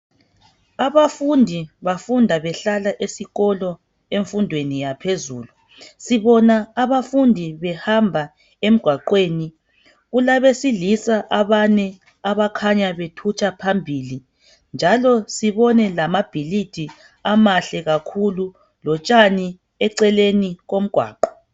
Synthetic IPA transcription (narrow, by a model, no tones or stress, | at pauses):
aβafundʱiβafundʱaβɛɬalaʔesiɣɔlɔ | eɱfundʱwenijapʰezṵːlu | siβɔnaːβafundʱiβɛhambʱa | em̩ɡ̥ʱwaǃweːni | ɣulaβesilisaʔaβanɛ | aβakʰaɲaβetʰut͡ʃʰʼapʰambʱili | nd͡ʒʱalɔsiβɔnɛlamab̥ʱilid̥ʱi | amaɬɛɣakʰulu | lɔt͡ʃʼani | ɛǀɛleniɣom̩ɡ̥ʱwa̰ːǃɔ̥